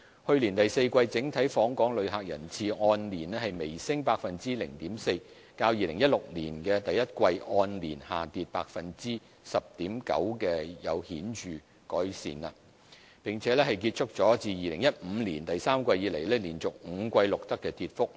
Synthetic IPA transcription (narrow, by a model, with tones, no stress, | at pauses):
hɵ˧ɥliː˨˩nt̪ɐ˨jse˧jkʷɐ˧jt͡sɪ˨˥ŋt̪ʰɐ˨˥jfɔː˨˥ŋkʷɔː˨˥ŋlɵ˨˧ɥɦaː˨k̚jɐ̰˨˩nt͡sʰiː˧ŋɔː˧nliː˨˩nɛ˥hɐ˨jme˨˩jsɪ˥ŋpaː˧k̚fɐ˨nt͡siː˥lɪ̰˨˩ŋt̪iː˨˥mse˧j | kaː˧wjiː˨lɪ˨˩ŋjɐ˥t̚lʊ˨k̚lḭː˨˩nkɛː˧t̪ɐ˨jɐ˥t̚kʷɐ˧jʔɔː˧nliː˨˩nha̰ː˨t̪iː˨t̚pa̰ː˧˥k̚fɐ˨nt͡siː˥ | sɐ˨p̚t̪iː˨˥mkɐ̰˨˥wkɛː˧jɐ̰˨˧whiː˨˥nt͡ʃyː˨ | kɔː˨˥jsḭː˨nɐ̰˧ | pɪ˨ŋt͡sʰɛː˨˧˥lɛ˥hɐ˨˩jkiː˧t̚t͡ʃʰʊ˥k̚t͡sɔː˨˥t͡siː˨˧jiː˨lɪ˨˩ŋjɐ˥t̚m̩ː˨˧liː˨˩nt̪ɐ˨jsaː˥mkʷɐ˧jːiː˨˧le˨˩jlɛː˥liː˨˩nt͡sʊ˨k̚ŋ̩˨˧kʷɐ˧jlʊ˨k̚t̪ɐ˥kːɛː˧t̪i˧t̚fʊ˥k̚